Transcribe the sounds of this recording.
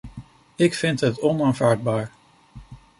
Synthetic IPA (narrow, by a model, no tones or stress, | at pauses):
ɪkfɪntɦətɔnaːnvaːɹd̚baːɹ